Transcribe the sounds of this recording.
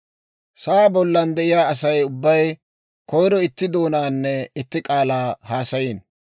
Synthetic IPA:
saːbɔlːɐnd̪ɛʔɪjaːɐs̬ɐjʊbːɐj | kɔjɾɔɪt̪ːɪd̪o̞ːnaːnːɛɪt̪ːɪkʼaːlaːhaːsɐjiːn

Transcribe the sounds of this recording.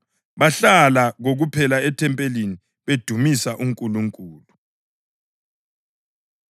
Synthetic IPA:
βaɬalaɣoɣupʰɛlaɛtʰɛmpʼelini | βed̥ʱumisaʔuŋkʼuluŋkʼuːlu

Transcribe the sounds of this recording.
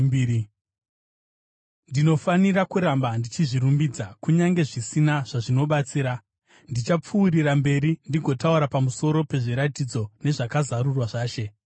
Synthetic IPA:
ndino̞fanirakuɾambandit͡ʃiʐiɾumbid͡zakuɲaŋɡe̞ʐisinaʐ̥aʐino̞ɓat͡siːɾa | ndit͡ʃap͡fuːɾirambe̞ɾindiɡʱo̞tauɾapamuso̞ɾo̞pe̞ʐiɾatid͡zo̞ne̞ʐakazarurwaʐaːʃe̞

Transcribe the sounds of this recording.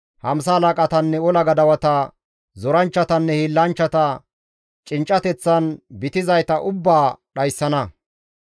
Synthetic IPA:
hɐms̬ɐːlakʼɐt̪ɐnːɛɔlɐɡɐd̪ɐwɐt̪ɐ | zɔɾɐnt͡ʃːɐt̪ɐnːɛhilːɐnt͡ʃːɐt̪ɐ | t͡ʃʼɪnt͡ʃʼːɐt̪ɛt͡sːɐnbɪt̪ɪzɐjt̪ɐʔʊbːaːɗɐjsːɐnɐ

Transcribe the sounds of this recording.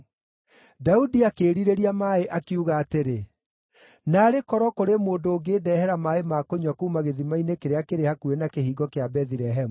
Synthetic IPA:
daudiakeːɾiɾeɾiamaeʔakiuɣaːteɾe | naːɾekɔɾɔkoɾemoːndoːɡeːdɛhɛɾamaemakoɲwakuːmaɣeðimainekeɾeakeɾehakuenakehiːɡɔkeabɛðiɾɛɦɛmu

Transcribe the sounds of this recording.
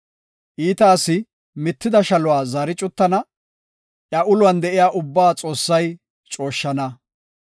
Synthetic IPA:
ʔiːt̪aːsɪ | mɪt̪ːɪd̪ɐʃɐlʊwaːzɐːɾɪt͡ʃʼʊt̪ːɐnɐ | ʔjɐʔʊlʊwɐnd̪ɛʔɪjaːʔʊbːaːt͡sʼo̞ːsːɐj | t͡ʃʼo̞ːʃːɐnɐ

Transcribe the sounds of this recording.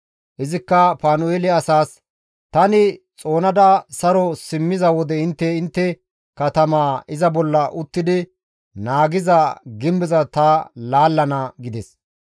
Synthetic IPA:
ʔɪzɪkːɐpaːnʊeːlɪɐsaːs | t̪ɐnɪt͡sʼo̞ːnɐd̪ɐsɐɾɔsɪmːɪzɐwɔd̪ɛɪnt̪ːɛɪnt̪ːɛ | kɐt̪ɐmaːɪzɐbɔlːɐʔʊt̪ːɪd̪ɪ | naːɡɪzɐɡɪmbɪzɐt̪ɐlaːlːɐnɐɡɪd̪ɛs

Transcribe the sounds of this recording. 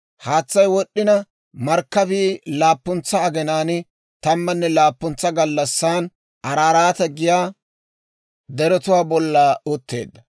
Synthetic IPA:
haːt͡sːɐjwɔɗːɪnɐ | mɐɾkːɐbiːlaːpːʊnt͡sːɐːɡɛnaːn | t̪ɐmːɐnːɛlaːpːʊnt͡sːɐɡɐlːɐsːaːn | ʔɐɾaːɾaːt̪ɐɡɪjaː | d̪ɛɾɔt̪ʊwaːbɔlːaːʊt̪ːe̞̰ːd̪ːɐ

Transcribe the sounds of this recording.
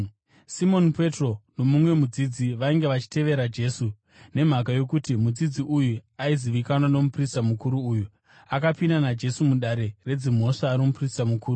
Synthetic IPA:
simo̞npe̞tro̞no̞mumwe̞mud͡zid͡ziʋaiŋɡe̞ʋat͡ʃi̥te̞ʋe̞ɾad͡ʒe̞ːsu | ne̞m̤akajo̞kutimud͡zid͡ziujuaiziʋikanwano̞mupristamukuɾuːju | akapinanad͡ʒe̞sumuɗaɾe̞re̞d͡zim̤o̞ʂaːɾimupristamukuːɾu

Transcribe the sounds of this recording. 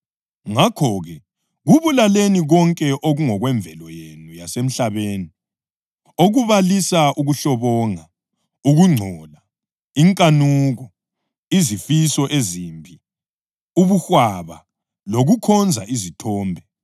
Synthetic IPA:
ŋakʰɔɣɛ | ɣuβulaleniɣɔŋkʼɛʔoɣuŋɔɣwɛɱb̪vʱɛlɔjenujasem̩ɬaβeːni | oɣuβalisaʔuɣuɬɔβɔŋa | uɣuŋ͡ǀʱɔla | iŋkʼanuːɣɔ | izifisɔʔezimbʱi | uβuxwaβa̰ | loɣukʰɔnd͡zʱa̰ʔizitʰɔːmbʱɛ

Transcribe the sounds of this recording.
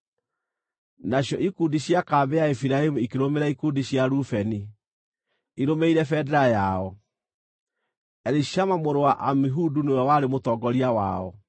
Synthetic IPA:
naɕjɔʔikundiɕjakaːbɛjaefiɾaemuikeɾomeɾaikudiɕjaɾufɛni | iɾomeiɾɛfɛdɛɾajaɔ | ɛɾiʃamamoɾowaʔamiɦudunoawaɾemotɔɡɔɾiawa̰ɔ

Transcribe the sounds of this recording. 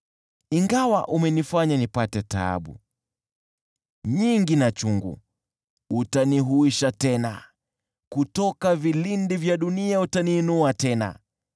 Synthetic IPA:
iŋɡawa̰ʔumɛnifaɲanipatɛta̰a̰ɓṵ | ɲiŋɡinat͡ʃuŋɡṵ | utaniɦuiʃatɛna̰ | kutɔkavilindivjaɗuniautaniːnuatɛna̰

